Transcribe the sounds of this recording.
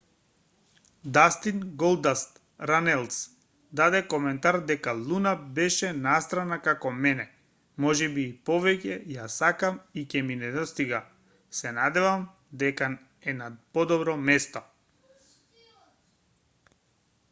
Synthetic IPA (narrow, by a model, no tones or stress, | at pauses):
d̪ast̪inɡɔlˠd̪ast̪ | ɾanɛlˠs | d̪ad̪ɛkɔmɛnt̪aɾd̪ɛkalˠunabɛʃɛnast̪ɾanakakɔmɛnɛ | mɔʒɛbiːpɔvɛcɛjasakamicɛminɛd̪ɔst̪iɡa | sɛnad̪ɛvam | d̪ɛka | ɛnapɔd̪ɔbɾɔmɛst̪ɔ